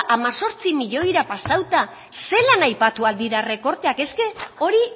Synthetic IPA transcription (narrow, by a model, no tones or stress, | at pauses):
ʔamaso̞ɾt͡simiʎo̞jɾapasawt̪a | se̞lanajpat̪uald̪iɾare̞ko̞ɾt̪e̞ake̞ske̞o̞ɾi